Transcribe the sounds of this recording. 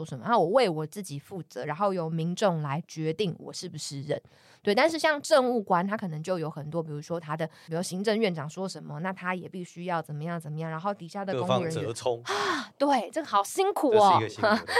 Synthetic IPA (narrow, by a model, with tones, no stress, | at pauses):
ɔ˥ʂə˨˦mə̰˨˦na˥˩wɔ˨˩we˥˩ɪwɔ˨˩t͡sɹ̩˥˩t͡ɕi˨˩fu˥˩t͡sɤ˧˦ɻa˧˥nxo˥˩ʊjo˨˩ʊmi˧˥ŋʈ͡ʂo˥˩ŋla˧˦ɪt͡ɕɥɛ˧˥t̪i˥˩ŋwɔ̰˨˩ʂɻ̩˥˩bu˨˩ʂɻ̩˥˩ɻə̰˨˦n | t̪we˥˩ɪt̪a˥˧nʂ̬ɻ̩˥˧˩ɕjɑ˥˧ŋʈ͡ʂə˥˧ŋu˥˩kwa˥nt̪ʰa˥kʰɤ˨˩nə˧˥ŋt͡ɕjo˥˩ʊjo˧ʊxə˨˩nt̪wɔ˦˥pi˨˩ɻu˧˥ʂwɔ˥t̪ʰa˥d̪ə˨˧˩jo˥˩ɕi˧˥ŋʈ͡ʂə˥˧ŋɥɛ˥˩nʈ͡ʂɑ˨˩ŋswɔ˥ʂə˧˦nmə˨na˥˩t̪ʰa˥jɛ˨˩pi˥˩ɕy˥jɑ˥˩ʊt͡sə˨˩nmə˦jɑ˥˩ŋt͡sə˨˩nmə˦jɑ˥˩ŋɻa˧˥nxo˥˩ʊt̪i˨˩ɕja˥˩d̪ə˨ko˥˩ə˦˧˦ŋt̪we˥˩ɪʈ͡ʂə˥˩ɡə˩xɑ˨˩ʊɕi˥ŋkʰu˨˩˦